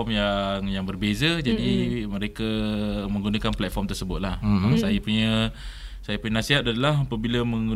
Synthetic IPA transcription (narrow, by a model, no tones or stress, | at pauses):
ɔmjaŋjaŋbərbezad͡ʒadiməɾekamə̃ŋɡunakanplɛt̪̚fɔrmt̪ərsəbʊt̪̚lahəsajapuɲə | sajapuɲənasiɦat̪̚adalaɦapəbilaməŋɡu